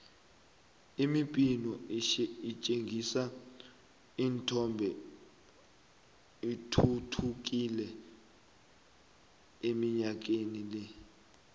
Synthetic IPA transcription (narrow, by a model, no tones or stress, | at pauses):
imipʼinɔ | it͡ʃʼeŋɡʱisa | iːntʰɔmbʱɛ | itʰutʰuk̬ʼilɛ | emiɲak̬enilɛ